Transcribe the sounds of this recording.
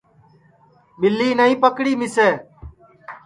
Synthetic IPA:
mɪlːiːnəĩːpəkɽiːmɪseː

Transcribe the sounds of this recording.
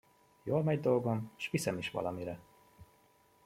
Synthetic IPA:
joːlmɛɟd̪olɡo̞mʃʋisɛmiʃʋɒ̰lɒmiɾɛ

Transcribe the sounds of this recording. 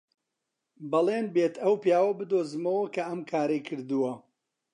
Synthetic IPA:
bɐlˠeːnbeːt̪ʰɐwpjaːwɐbɨd̪oːzɨmɐwɐkʰɐɐmkʰaːɾɐjkʰɨɾd̪ɨwɐ

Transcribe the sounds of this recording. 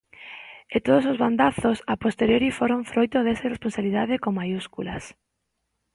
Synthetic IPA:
et̪oðos̬ozβand̪aθosapost̪eɾjoɾifoɾõɱfɾojt̪oðesaresponsaβiliðaðekoŋmajuskulas

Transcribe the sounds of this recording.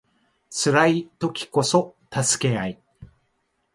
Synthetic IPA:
t͡sɨɾait̪o̞kʲi̥ko̞so̞t̪asɨ̥ke̞ai

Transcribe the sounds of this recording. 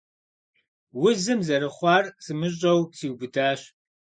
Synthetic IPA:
wʊzɨmzɐɾɨχʷɑːrsɨmɨɕ̬ʼɐwsiːwbɨdaːɕ

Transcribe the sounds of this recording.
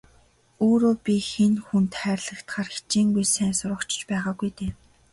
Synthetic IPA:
oːɾoːpʲixenxunt̪χæːrʲɮə̆kt̪χaːrxe̥t͡ɕiːŋɡujsæːnsʊɾə̆kt͡ɕɪ̥̆t͡ɕpæːʁaːɡujt̪eː

